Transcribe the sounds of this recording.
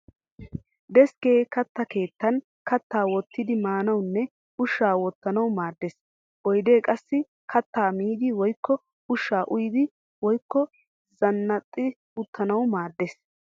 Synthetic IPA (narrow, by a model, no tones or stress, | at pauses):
d̪ɛskeːkɐt̪ːɐke̞ːt̪ːɐn | kɐt̪ːaːwɔt̪ːɪd̪ɪmaːnɐwnːɛ | ʊʃːaːwɔt̪ːɐnɐwmaːd̪ːes | ʔɔjd̪e̞ːkʼɐsːɪ | kʰɐt̪ːaːmiːd̪ɪwɔjkːɔ | ʊʃːaːʔʊjɪd̪ɪ | wɔjkːɔ | zɐnːɐt̪ʼːɪ | ʊt̪ʰːɐnɐwmaːd̪ːes